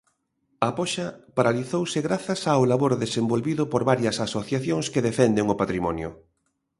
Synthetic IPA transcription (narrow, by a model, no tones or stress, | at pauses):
apɔʃɐpaɾaliθowsɪɣɾaθɐsawlaβoɾðesembolβiðʊpoɾβaɾjɐsasoθjaθjoŋskeðefɛnd̪eŋʊpat̪ɾimɔnjʊ̰